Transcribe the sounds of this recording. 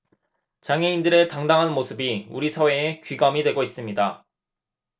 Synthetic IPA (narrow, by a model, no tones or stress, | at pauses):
t͡ɕaŋeindɯɾe̞taŋdaŋɦanmosʰɯbiuɾisʰawe̞ːkɥiɡamidwe̞ɡois͈ɯmɲida